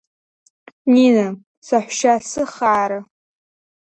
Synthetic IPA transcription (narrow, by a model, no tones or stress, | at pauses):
nina | saħʷʃasɨχaʕaɾa